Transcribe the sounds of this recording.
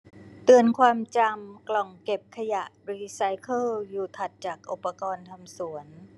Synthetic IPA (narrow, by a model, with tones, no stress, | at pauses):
t̪ɯ˨˩ənkʰwaː˧mt͡ɕa˧mklɔ˨˩ŋke˨˩p̚kʰa˧ja˨˩ʔɾiː˧sa˧˥jkʰɤː˥˩ljuː˨˩t̪ʰa˨˩t̪̚t͡ɕaː˨˩k̚ʔo˨˩pːa˧kɔː˧nt̪ʰa˧msu˨˩˦ən